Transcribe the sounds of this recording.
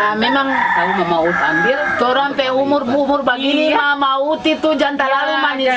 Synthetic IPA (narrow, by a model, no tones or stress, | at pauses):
amɛmaŋkalimamaut̪anbirt͡ʃoɾanpɛumurumurbaɡinimamaut̪it̪ud͡ʒant̪alaumani